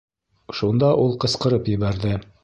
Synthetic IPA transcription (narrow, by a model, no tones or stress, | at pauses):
ʃund̪ɑʔulˠqɤ̆sqɤ̆ɾɤpjɘ̆βæɾðɘ